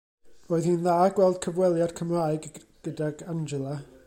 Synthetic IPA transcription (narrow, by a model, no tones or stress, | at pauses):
r̥oːɨðhiːnðaːɡ̥wɛlˠd̥̚kʰəvwɛlˠjad̥̚kʰəmraɨɡ | ɡ̥ədaɡand͡ʒɛlˠa